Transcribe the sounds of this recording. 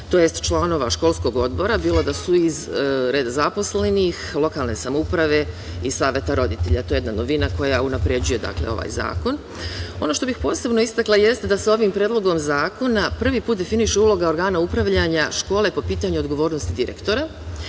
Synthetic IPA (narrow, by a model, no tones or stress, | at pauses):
t̪o̞je̞st̪t͡ʃlˠano̞ʋa̰ʃko̞lˠsko̞ɡo̞d̪bo̞ɾabiːlˠo̞d̪asuizɾe̞ːd̪azapo̞sle̞nixlˠo̞kaːlˠne̞samoupɾaʋe̞ | isaːʋjet̪aɾo̞d̪it̪e̞ʎa̰t̪o̞jjed̪nano̞ʋinako̞jaunapɾe̞d͡ʑuje̞d̪a̰kleo̞̰ʋa̰ːjza̰ːko̞n | o̞no̞ʃt̪o̞bixpo̞ːse̞bno̞ist̪aklˠaje̞st̪ed̪aso̞ʋimpɾeːd̪lˠo̞ɡo̞mzaːko̞napr̩ʋipuːt̪̚d̪efiniʃeuːlˠo̞ɡao̞ɾɡaːnaupɾaʋʎaɲaʃko̞ːlˠe̞po̞piːt̪aɲuoɡo̞ʋo̞ːɾnost̪id̪iɾe̞̰kt̪o̞ɾa